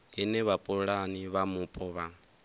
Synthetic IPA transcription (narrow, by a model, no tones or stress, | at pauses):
ɦinɛβapʼuɺaniβamupʼɔβa